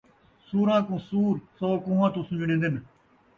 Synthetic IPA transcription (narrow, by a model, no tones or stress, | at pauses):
suːɾãːkõːsuːɾsoːkũːʋãːt̪ũːsʊ̃ːd͡ʒɳẽːnd̪ɪn